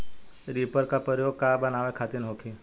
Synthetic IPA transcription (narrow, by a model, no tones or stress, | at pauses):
ɾipəɾkapəɾjoɡ̚kabənaʋekʰat̪inɦokʰi